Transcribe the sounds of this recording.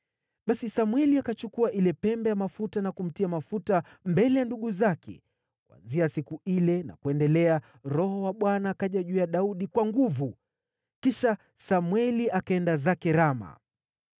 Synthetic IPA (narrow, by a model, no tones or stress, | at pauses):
ɓasisamwɛliakat͡ʃukuaʔilɛpɛmbɛjamafutanakum̩tiamafuta | mbɛlɛjanduɠuzakʰɛ̰ | kwa̰nziasikuilɛna̰kuɛndɛlɛa | ɾɔhɔwaɓwanaːkaʄaʄujaɗauɗikwaŋɡuvu | kiʃa | samwɛliʔakaɛndazakɛɾama̰